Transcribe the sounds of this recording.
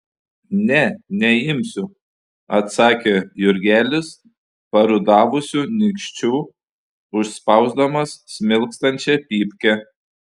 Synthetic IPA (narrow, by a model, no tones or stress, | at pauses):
nʲɛnʲɛɪmʲsʲʊ | ɐt̪sɑːkʲejʊɾʲɡʲæːlʲɪs | pɐɾʊd̪ɑːʋʊsʲuːnʲɪkʃʲt͡ʃʲuː | ʊʃspɐʊzd̪ɐmɐsːʲmʲɪlˠkst̪ɐnʲt͡ʃʲɛpʲiːpʲkʲɛ